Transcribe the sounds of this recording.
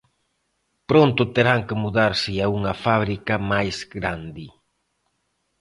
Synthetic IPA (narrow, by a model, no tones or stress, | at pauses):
pɾont̪ʊt̪eɾaŋkɪmuðaɾsɪauŋɐfaβɾikɐmajzɡɾand̪i